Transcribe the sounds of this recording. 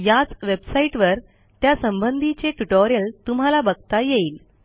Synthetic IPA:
jat͡sʋebsaiʈʋəɾ | t̪jasəmbənd̪ʱit͡ɕeʈuʈoɾijəlt̪um̤ɦalabəɡt̪ajeiːl

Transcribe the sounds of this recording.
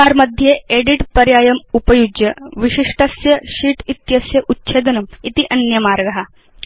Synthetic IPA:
aːɾmɐd̪ʱjeeɽiʈpɐɾjaːjɐmupɐjud͡ʒjɐʋiʃiʂʈɐsjɐʃiːʈit̪jɐsjɐʔutːʃʰeːd̪ɐnɐmit̪iʔɐnjɐmaːɾɡɐɦɐ

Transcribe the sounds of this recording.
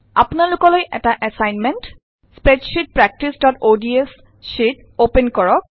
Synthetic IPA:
a̰punalʊkɔlojʔɛ̰taʔɛsajnment | spɹɛd͡ʒʃit̚pɹɛk̚tisdɔtodies | ʃit | openkɔɹɔk̚

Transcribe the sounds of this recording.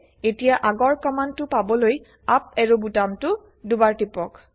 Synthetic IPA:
etijaʔaɡɔɹkɔmantʊpabɔloj | ap̚ɛɹubutamtʊ | dubaɹtipɔk

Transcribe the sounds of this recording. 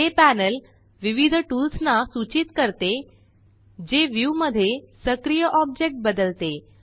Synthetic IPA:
epænəl | ʋiʋid̪ʱʈulsnasut͡ɕit̪kəɾt̪e | d͡ʑeʋjuməd̪ʱːjesəkɾijəʔɔb̚d͡ʑek̚ʈ̚bəd̪əlt̪e

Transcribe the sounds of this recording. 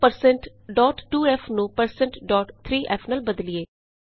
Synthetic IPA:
pəɾsɛ̃ɳʈ | ɖɔːʈːuːɛːpʰnũːpəɾsɛ̃ɳʈɖɔːʈt̪ʰɾiːʔɛːpʰnəlbəd̪lieː

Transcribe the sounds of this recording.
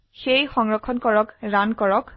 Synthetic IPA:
xejxɔŋɹɔkʰːɔnkɔɹɔkɹankɔɹɔk

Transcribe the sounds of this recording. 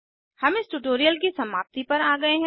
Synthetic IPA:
hɐmɪsʈuʈoːɾijəlkisɐmaːp̚t̪ipɐɾaːɡɐeɦɛ̃

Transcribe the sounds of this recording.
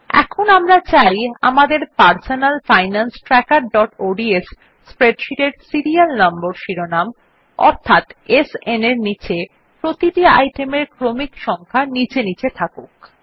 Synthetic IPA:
ɛ̰kʰonamɾat͡ɕaja̰mad̪eɾpaɾsonalfajnansʈɾɛkaɾɖɔʈoɖiesː | pɾeɖʃiʈeɾsiɾialnamboɾʃiɾonam | ɔ̰ɾt̪ʰat̪eseneɾnit͡ɕe | pɾot̪iʈia̰jʈemeɾkɾomikʃɔŋkʰanit͡ɕenit͡ɕʰet̪ʰakok

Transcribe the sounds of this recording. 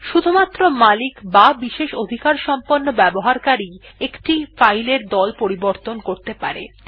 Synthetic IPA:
ʃud̪ʱumat̪ːɾomalikbabiʃeʃod̪ʱikaɾʃɔmponːobɛboɦaɾkaɾiekʈifajleɾd̪ɔlpoɾiboɾt̪onkoɾt̪epa̰ɾḛ

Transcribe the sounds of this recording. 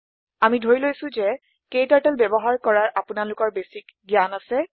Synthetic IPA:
amidʱoɹilojsʊ̃zɛ | kejtaɹtɛlbɛbɔɦaɹkɔɹaɹʔapʊnalʊkɔɹbesikɡijanasɛ

